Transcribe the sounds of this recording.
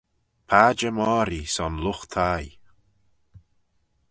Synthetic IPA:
pʰaːd͡ʒəmɔːɾisɔnlʊxt̪ʰaj

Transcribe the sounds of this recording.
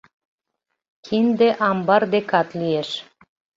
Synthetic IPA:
kʰind̪eʔɑmbɑrd̪ekɑt̪lieʃ

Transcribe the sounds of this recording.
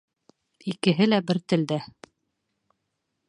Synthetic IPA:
ikɘ̆ɦɘlæbɘɾt̪ɘ̆ld̪æ

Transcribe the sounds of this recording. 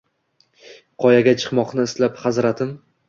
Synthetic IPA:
qʰɒjaɡʲat͡ʃʰɨ̥qmɒqnɪɪslaphazɾat̪ʰɪm

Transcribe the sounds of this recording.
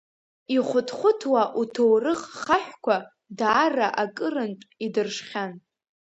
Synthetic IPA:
iχʷʊtʰχʷʊtʰwaʔutʰowrɨχχaħʷᶣkʷʰa | daːraʔakʼɨrɨntʼidɨrʂχʲan

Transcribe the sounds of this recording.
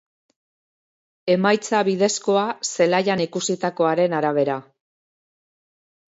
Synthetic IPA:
e̞majt͡saβið̞e̞sko̞ase̞laʎanikusit̪ako̞aɾe̞naɾaβ̞e̞ɾa

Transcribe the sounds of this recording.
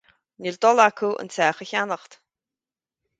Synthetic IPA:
nʲilt̪ʼɔlakʰuwə̰nt͡sʰæːχəçanəχt̪

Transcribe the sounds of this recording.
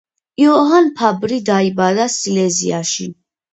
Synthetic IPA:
iɔɦanpʰabɾid̪aibad̪asilɛziaʃi

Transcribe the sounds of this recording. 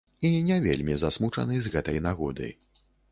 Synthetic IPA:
inʲɛvʲḛlʲmʲizasmut͡ʂɐ̰nɨzɣɛt̪ɐjnaɣɔd̪ɨ̰j

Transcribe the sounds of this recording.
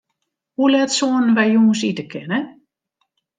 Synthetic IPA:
hulɛtsoːənənʋɛjjuŋs̬itəkʰɪnə

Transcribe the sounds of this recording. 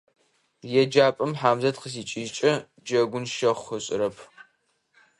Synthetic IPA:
jɛd͡ʒaːpʼɨmħaːmzɐtqəs̬iːt͡ʃʼiːt͡ʃʼɐ | d͡ʒɐɡʷʊnʃɐχʷɐɕʼɪ̰ɾɐpʰ

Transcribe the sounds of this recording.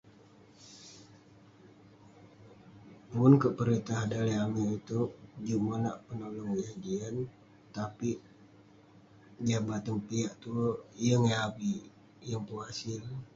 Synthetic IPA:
pʊnkəʔpəɾit̪aɦdaliamiit̪ud͡ʒumala̰ʔpənolɔŋwihad͡ʒian | t̪api | d͡ʒabat̪ənpiaʔt̪ujəŋaapi | jəŋpuasɪl

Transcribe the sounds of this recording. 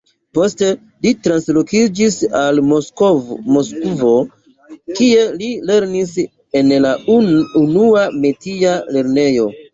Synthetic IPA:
po̞ste̞ | litɾanslo̞kid͡ʒisalomoskvo̞ | kie̞lile̞ɾnis | e̞nlaunuame̞tiale̞ɾne̞jo̞

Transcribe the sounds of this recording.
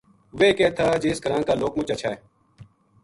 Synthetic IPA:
ʋeːkeːt̪ʰaːd͡ʒeːskəɾãːnkaːloːkmʊt͡ʃət͡ʃʰaːeː

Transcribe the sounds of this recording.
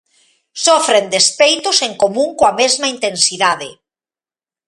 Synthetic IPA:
sɔfɾend̪espejt̪oseŋkomũŋkoamezmaint̪ensiðaðɪ̰

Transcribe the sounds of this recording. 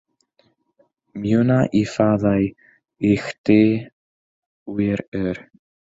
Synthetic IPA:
mjʏːnaʔifaːðaj | ɪxt̪ɪ | wɪɾœɾ

